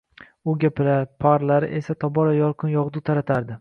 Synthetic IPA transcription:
ʊɡʲapapʰaɾlaɾɪ̰ʔe̞sat̪ʰɒbɒɾajɒlˠqʰɨnjɒʁd̪ʊt̪ʰaɾat̪ʰaɾd̪ɪ

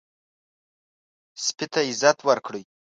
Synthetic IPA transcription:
spit̪aɪzat̪ʰwaɾkɽəj

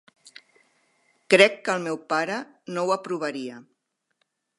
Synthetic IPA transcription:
kɾɛkːəlˠmɛwpaɾənowəpɾuβ̞əɾiə

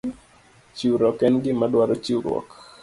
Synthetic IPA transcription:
t͡ʃiuɾɔkɛnɡɪmadwaɾɔt͡ʃiuɾwɔ̰k

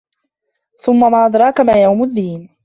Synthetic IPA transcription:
θʊmːamaːʔɑd̪ɾˤɑːkamaːjawmʊðːiːn

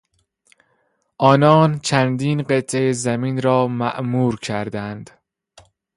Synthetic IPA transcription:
ʔɒːnɒːnt͡ʃʰænd̪iːnɢet̪ʰejezæmiːnɾɒːmæʔmuːɾcʰæɾd̪ænd̪̥

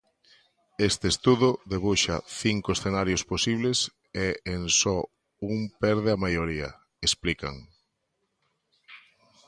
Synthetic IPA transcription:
est̪eest̪uðʊðeβuʃa̰θiŋkoesθenaɾjosposiβles | eensɔ | uŋpɛɾð̞eamajoɾiɐ̰ | esplika̰ŋ

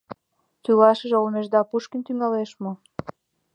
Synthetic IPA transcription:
t̪ylɑʃəʒeolmeʒd̪ɑpuʃkint̪yŋɑleʃmo

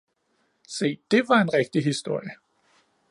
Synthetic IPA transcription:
se̝̰ːd̥e̝ʋɑ̈e̝nʁɛɡ̥̚d̥iɦisd̥o̝ɐ̰jə

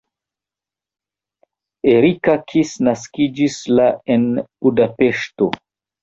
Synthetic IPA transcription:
eɾikakʰisnaskid͡ʒislaenbudape̞ʃto̞̰

